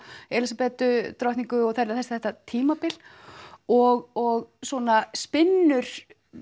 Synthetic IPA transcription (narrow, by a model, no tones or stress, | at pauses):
ɛlisapɛːt̪ʏt̪ɾɔht̪iŋkʏɔɣθaɾɾθɛsθɛht̪at̪ʰiːmapɪl̥ | ɔɣɔɣswɔːnaspɪnːʏɾ̥